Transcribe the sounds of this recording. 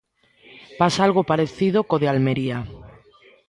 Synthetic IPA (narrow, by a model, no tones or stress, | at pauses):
pasaalɣopaɾeθiðokoðealmeɾia